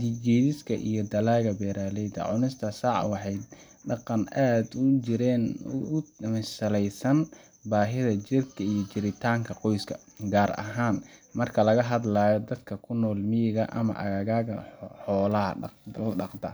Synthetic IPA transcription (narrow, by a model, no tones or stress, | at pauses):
d̪id͡ʒɛːðɪskʰɐ̰ʔḭjɞd̪ɐlaːɣɐbɛːɾaːlɛjd̪ɐ̰ʕʊnɪst̪ʰɐsɑːʕwɑħɑjd̪ | ɖɑqɑnʔaːd̪ʊɪɾɛːn | msɐlɛjsɐn | baːɦɪðɐt͡ʃɪrkʰɐijɔt͡ʃɪɾɪt̪ʰaːŋkʰɐqɔjskʰɐ | ɡaːrɐ̰ɦaːnmɐrkʰɐlɐɣɐɦɐd̪laːjɔd̪ɐd̪kʰɐkʰʊnɔːlmɪjɪɣɐʔɐ̰mɐ̰ʔɐ̰ɣaːɣaːɣɐħɔːlɐɦɐ̰ɖɑqd̪ɐ̰